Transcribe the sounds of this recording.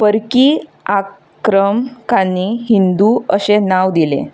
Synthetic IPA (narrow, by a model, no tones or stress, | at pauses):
pəɾkiː | a | kɾəmkaniɦind̪uəɕenaʋd̪ilḛ̃